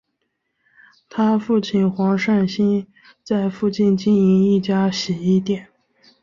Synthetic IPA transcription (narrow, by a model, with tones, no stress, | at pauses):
t̪ʰa˥fu˥˧t͡ɕʰi˥˩nxwɑ˧˥ŋʂa˥˩nɕi˥n | t͡sa˥˧ɪfu˥˧t͡ɕi˥˧nt͡ɕi˥˩ni˧˥ŋi˥˩t͡ɕja˥ɕɛ˨˩i˥˩t̪jɛ˨˩˦n